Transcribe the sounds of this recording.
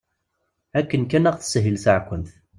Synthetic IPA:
ækːənkænæʁθə̥sɦəlsəʕkʷːənθ

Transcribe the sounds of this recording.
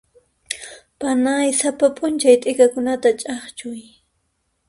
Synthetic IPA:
panajsapapʼʊnt͡ʃajt̪ʼɪkakʊnat̪at͡ʃʼɑχt͡ʃʊj

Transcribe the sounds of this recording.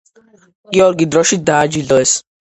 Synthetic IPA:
kiɔlɡid̪ɾɔʃid̪aːd͡ʒilɔes

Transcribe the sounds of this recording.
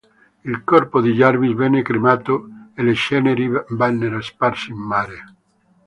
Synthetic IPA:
ilkɔrpod̪iʎarvisvɛnːekɾimaːt̪oeleʃɛneɾivanːeɾoesparsiimːaːɾe

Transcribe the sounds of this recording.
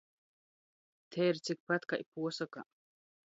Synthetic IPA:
t̪ʰɛɾsik̚pat̪kaʔipʰuɔsaka̰

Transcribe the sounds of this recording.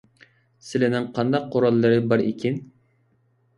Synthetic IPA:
sɪlɪnɪŋqʰɑnd̪ɑq̚ʰːoɾɑlˠːɨɾɨbɑɾekʲʰɪn

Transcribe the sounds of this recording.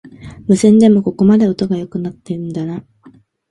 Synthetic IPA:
mɯ̟sẽ̞nd̪e̞mo̞ko̞ko̞mad̪e̞o̞t̪o̞ɡajo̞kɯ̟nat̪ːe̞ɯ̟̃nd̪ana

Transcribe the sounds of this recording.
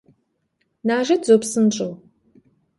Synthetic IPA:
naːʒɐdzopsɨnʈ͡ʂʼɨw

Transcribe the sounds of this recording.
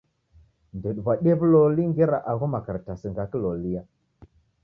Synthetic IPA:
ndəɗvaɗevloliŋɡeɾaʔaɣomakəɾtasəŋɡakəlolija

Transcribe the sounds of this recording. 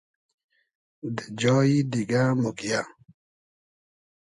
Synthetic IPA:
d̪əd͡ʒɔːid̪iɡamukja

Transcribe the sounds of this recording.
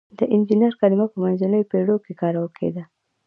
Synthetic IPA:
d̪əʔɪnd͡ʒinaɾkalɪmapəmanzanəjopeɽokekɑɾawəkʰḛd̪a

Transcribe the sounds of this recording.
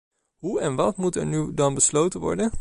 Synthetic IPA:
ɦuɛnʋɑtmutɛ̰ɹnydɑnbəslowtənʋɔ̰ɹdən

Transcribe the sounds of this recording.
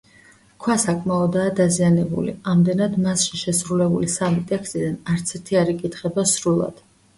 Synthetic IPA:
kʰwasakʼmaɔd̪aːd̪azianɛbṵlḭamd̪ɛnad̪masʃiʃɛsɾulɛbulisamit̪ʼɛkst̪ʼid̪anaɾt̪sʰɛɾt̪ʰiaɾikʼit̪ʰχɛbasɾulˠa̰d̪̥

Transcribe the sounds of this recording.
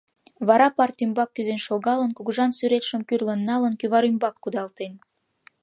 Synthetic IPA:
βɑɾɑpɑrt̪ymbɑkːyzenʃoɣɑlənkuɣuʒɑnsyɾet̪ʃə̆mkyrlənːɑlənkyβɑɾymbɑkːud̪ɑlt̪en

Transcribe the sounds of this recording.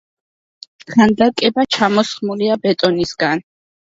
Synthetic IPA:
χand̪akʼɛbat͡ʃʰamɔsχmuliabɛt̪ʼɔnisɡan

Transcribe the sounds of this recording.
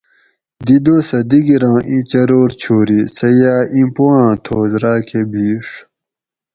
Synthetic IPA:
d̪id̪oːsɐd̪iɡiɾɑ̃ːʔĩt͡ɕɐɾoːɾt͡ɕʰoːɾisɐjaːʔĩpuwãːt̪ʰoːzɾaːkʰebiːʂ

